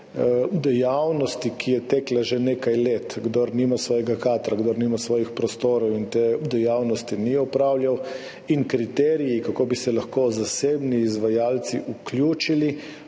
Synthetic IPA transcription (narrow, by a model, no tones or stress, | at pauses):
ud̪ɛjawnɔst̪ikʰijɛt̪ɛːklaʒeneːkajlet̪ɡd̪ɔɾniːmasʋɔːjɛɡakaːt̪ɾaɡd̪ɔɾniːmasʋɔːjixpɾɔst̪oːɾɔwint̪eud̪ɛjawnɔst̪iniɔpɾaːwljaw | inkɾit̪ɛːɾijikakoːbisɛlaxkoːzaseːbniːzʋajaːlt̪siʔuklʲjuːt͡ʃili